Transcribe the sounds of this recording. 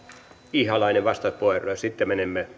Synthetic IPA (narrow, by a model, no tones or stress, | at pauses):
ihɑlɑineʋʋɑst̪ɑit̪poˑerˑojsit̪ːemenemːe